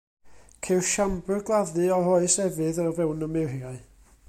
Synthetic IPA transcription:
kʰewʃambɨɡlˠaðɨɔhoɨsɛvɨðɔvɛwnəmɪrjaɨ

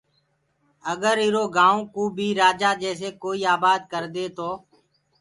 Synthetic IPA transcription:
əɡəɾɪɾoːɡãːõːkuːbʱiːɾaːd͡ʒaːd͡ʒɛːseːkoːiːaːbaːd̪̚kəɾd̪eːt̪oː

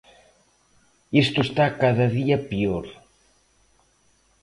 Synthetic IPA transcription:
ist̪oest̪akaðɐðiɐpioɾ

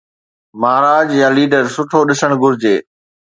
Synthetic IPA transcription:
maːɾaːd͡ʑjãːliːɖəɾsʊʈʰoɗɪsəɽ̃ɡʱʊɾd͡ʑeː

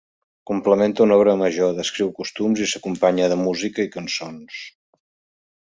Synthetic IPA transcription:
kumpləment̪əunɔβɾəməʒoðəskɾiwkust̪umzisəkumpaɲəðəmuzikəikənsons

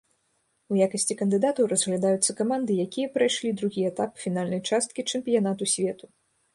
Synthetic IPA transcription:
ujakɐsʲt͡sʲikɐnd̪ɨd̪at̪ɐwɾɐzɣlʲɐd̪ajut̪sːɐkamand̪ɨjakʲijɐpɾajʂlʲid̪ɾuɣʲijɐɛt̪apfʲinalʲnɐjt͡ʂast̪̚kʲit͡ʂɨmpʲijanat̪usʲvʲɛt̪u

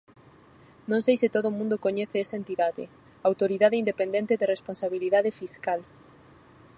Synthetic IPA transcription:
nõŋsejsɪt̪oðoʊmũnd̪okoɲeθeesaent̪iðaðɪ̰ | aawt̪oɾiðaðɪind̪epend̪ẽnt̪ɪðeresponsaβiliðaðɪfiskal

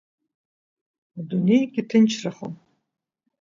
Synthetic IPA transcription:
adunejɡʲɪtʰɨnt͡ʃʰraχo̰m

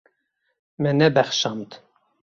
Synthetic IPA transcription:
mɛnɛbɛχʃɑmt̪

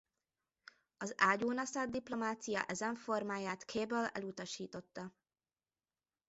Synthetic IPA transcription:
ɒzaːɟuːnɒsad̪̚d̪iplo̞maːt̪sijɒ̰ʔɛzɛɱfo̞rmaːjaːt̪kʰeːbølɛ̰lut̪ɒʃiːt̪o̞t̪ːɒ

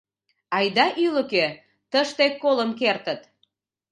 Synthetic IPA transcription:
ɑjd̪ɑʔyləke | t̪əʃt̪ekːoləmk̬ert̪ət̪

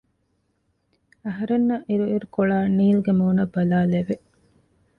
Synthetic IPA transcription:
ɐɦɐɾenːɐʔiɾuiɾukoɭaːniːlɡemoːnɐbːɐlaːleʋe

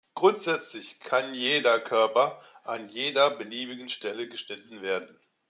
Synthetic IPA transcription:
ɡ̥ʁʊntz̥ɛt͡slɪçkʰanjeːdɐkʰœɐpɐʔanjeːdɐbəliːbɪɡn̩ʃtɛləɡəʃnɪtn̩veːɐdn̩

